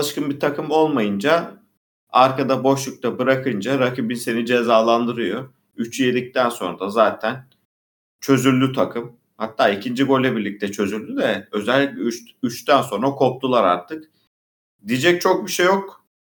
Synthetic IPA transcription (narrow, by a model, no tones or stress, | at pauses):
lˠɯʃkɯnbit̪ʰakɯmo̞lˠmajɯnd͡ʒa | aɾkad̪abo̞ʃlˠuk̚t̪ʰabɯɾakʰɯnd͡ʒaɾakibinse̞nid͡ʒezaːlˠand̪ɯɾɯjo̞ | yt͡ʃjed̪ʲic̚t̪ʰænso̞̰nd̪azaːt̪ʰæn | t͡ʃʰø̞zyllʲːyt̪ʰakʰɯm | hat̪ʰːaːicʰind͡ʒiɡo̞lʲːɛbiɾlʲic̚t̪ʰɛt͡ʃʰø̞zylːʲydɛø̞zɛlʲːicʲlʲɛyyt͡ʃt̪ʰænso̞nɾakʰo̞p̚t̪ʰulˠaɾa̰ɾt̪ʰɯk | d̪ijd͡ʒɛc̚t͡ʃʰo̞k̚biʃejo̞k̚